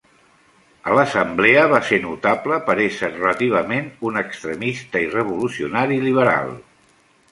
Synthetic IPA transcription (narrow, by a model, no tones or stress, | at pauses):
ələsəmbleəβasenut̪apləpəɾeʃərələt̪iβ̞əmenunəkst̪ɾəmist̪əirəβ̞ulusiunaɾiliβ̞əɾa̰lˠ